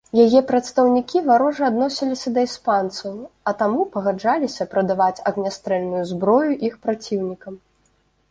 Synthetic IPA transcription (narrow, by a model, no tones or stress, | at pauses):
jajɛpɾɐt̪st̪ɐwnʲikʲivaɾɔʐɨad̪nɔsʲilʲisʲɐd̪ɐispant̪sɐwɐt̪amupɐɣad͡ʐalʲisʲɐpɾɐd̪avat͡sʲɐɣnʲast̪ɾɛlʲnujuzbɾɔjuʔixpɾat͡sʲiwnʲikɐm